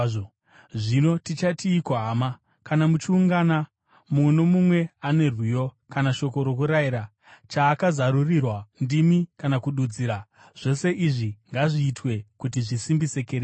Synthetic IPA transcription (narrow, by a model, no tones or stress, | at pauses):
ʐino̞tit͡ʃatiːkwaɦaːma | kanamut͡ʃiuŋɡana | muno̞mumwe̞ane̞rwijo̞ | kanaʃo̞ko̞ɾo̞kuɾaiɾa | t͡ʃaːkazaɾurirwandimikanakuɗud͡ziːɾa | ʐ̥o̞se̞ʔiʐiŋɡaʐiːtwe̞kutiʐisimbise̞keɾe